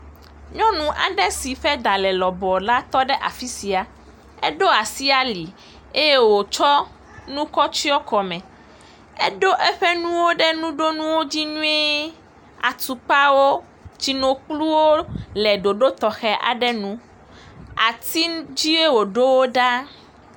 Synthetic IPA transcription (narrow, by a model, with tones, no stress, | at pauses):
ɲɔ̃˦nũ˦ʔa̰˨ɖɛ˦si˨ɸɛ˦d̪a˨lɛ˨lɔ˨bɔ˨la˦t̪ɔ˦ɖɛ˦ʔa̰˨fi˦si˨a˨ | ɛ̰˦ɖo˦a˨si˦a˨li˨ | e˦je˦wo˨t͡ʃɔ˦ | nũ˦kɔ˦t͡ɕi˦ɔ˦kɔ˨mɛ̃˨ | ɛ̰˦ɖo˦ʔɛ˦ɸɛ˦nũ˦wo˦ɖɛ˦nũ˦ɖo˦nũ˦wo˦d͡ʑi˦nũ˦e˦ | a̰˨t̪u˨k͡pa˦wo˦ | d͡ʑi˨nõ˨k͡plu˦wo˦lɛ˨ɖo˨ɖo˦t̪ɔ˨xɛ˦ʔa̰˨ɖɛ˦nũ˦ | a˨t̪i˦d͡ʑi˦e˦wo˨ɖo˦wo˦ɖa˦